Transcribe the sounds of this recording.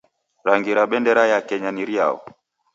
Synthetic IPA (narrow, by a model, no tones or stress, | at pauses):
ɾaŋɡiɾaɓɛndɛɾajakɛɲaniɾia̰ɔ̰